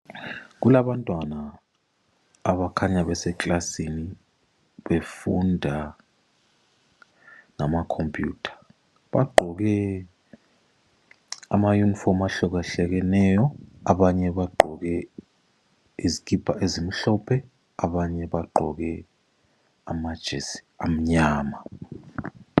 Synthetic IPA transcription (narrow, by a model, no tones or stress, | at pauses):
k̬ulaɓantʼwana | ɓakʰaɲaɓɛsɛkʼlasini | ɓefundʱa | namakʰompʼjuːtʰḁ | ɓaɡ͡ǃʱɔk̬ɛ | a̰majunifɔmaɬɔk̬aɬɛk̬ɛnɛːjɔaɓaɲɛɓaɡ͡ǃʱɔk̬ɛ | izikʰʼipʰaʔezim̩ɬɔpʰɛ | aɓaɲɛɓaɡ͡ǃʱɔk̬ɛ | amad̥ʒ̥ʱɛz | am̩ɲaːma